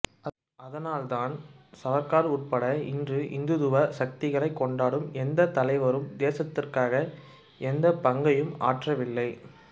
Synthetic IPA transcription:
ɐðɐnaːlt̪aːnsɐʋɐkːaːɾʊʈ̚pɐɽɐɪndrɯʔɪ̰nd̪ɯðɯʋɐsɐk̚t̪ɪɣɐɭɐɪkːɔɳɖaːɽɯmɛnd̪ɐt̪ɐlɐɪʋɐɾɯmd̪eːsɐt̪ːɪrkaːɣɐ | ɛnd̪ɐpɐŋɡɐjɯma̰ːʈrɐʋɪlːɐɪ

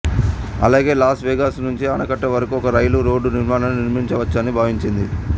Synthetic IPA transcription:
ɐ̰laːɡe̞ːlaːsʈʋeːɡaːsnuɲt͡ʃiɐnɐkɐʈːɐʋɐɾɐkuɔkɐɾɐjluɾo̞ːɖːuniɾmaːnɐnuniɾmiɲt͡ʃɐʋɐt͡ʃːaːnːibʱaːʋiɲt͡ʃind̪i

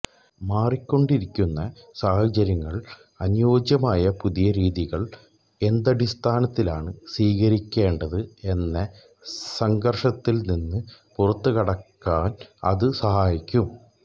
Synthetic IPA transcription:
maːrikʲːo̞ɳɖiɾikʲːunːɐsaːhɐt͡ɕɐɾjɐŋːɐɭ | ɐnjo̞ːd͡ʑjɐmaːjɐpuðijɐɾiːðiɣɐɭ | e̞nd̪ɐɽist̪ʰaːnɐt̪ːilaːɳɨsiːɣɐɾikʲːe̞ːɳɖɐðɨe̞nːe | sɐŋɡɐrʂɐt̪ːilninːɨpurɐt̪ːukɐɽɐkːaːnɐ̰ðɨsɐhaːjikʲːum

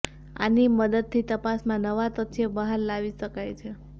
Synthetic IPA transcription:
a̰niməd̪əd̪̚t̪ʰit̪əpasmãnəʋat̪ət̪ʰebəɦaɾlaʋiʃəkajt͡ʃʰe

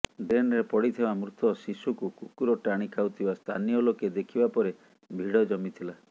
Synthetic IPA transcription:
ɖenɾepɔɽit̪ʰibamɾut̪ʰɔsisukukukuɾɔʈaɽ̃ikʰawt̪ʰibast̪ʰa̰nijɔloked̪ekʰibapɔɾe | bʱiɽɔd͡ʒɔmit̪ʰila

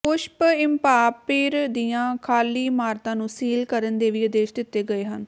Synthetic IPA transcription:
ʊʃpɪmpaːpɪːɾd̪iːjãːkʰaːliːmaːɾt̪ãːnũːsiːlkəɾənd̪eːʋiːəd̪eːʃd̪ɪt̪ːeːɡəeːɦən

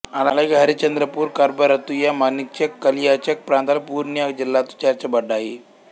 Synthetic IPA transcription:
analəɡʱaɾit͡ɕənd̪ɾəpuːɾkaɾbəɾət̪ujamanik̚t͡ɕəkːəlijat͡ɕək̚pɾãnt̪alpuɾnjəd͡ʑilːat̪u̥t͡ɕaɾt͡ɕabəɖaɦi

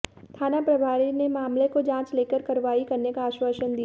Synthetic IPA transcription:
t̪ʰaːnapɾɐbʱaːɾinemaːmlekod͡ʒãːt͡ʃleːkəɾkɐɾʋaːikɐɾnekaːʃwəʃənd̪i

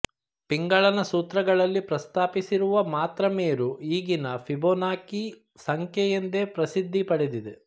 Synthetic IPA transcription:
piŋɡɐɭɐnɐsuːt̪ɾɐɡɐɭɐlːipɾɐst̪aːpisiɾuʋɐmaːt̪ɾɐmeːɾuiːɡinɐfʰibonaːki | sɐŋkʰjɛjend̪e̞pɾɐsid̪ʱːipɐɽed̪id̪e

